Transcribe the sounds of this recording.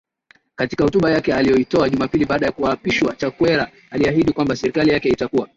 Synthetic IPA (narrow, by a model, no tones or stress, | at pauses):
katikahɔtuɓajakɛalijɔitɔaʄumapiliɓaːɗajakuaːpiʃwat͡ʃakwɛɾa | aliaɦiɗikwambasɛɾikalijakɛitakua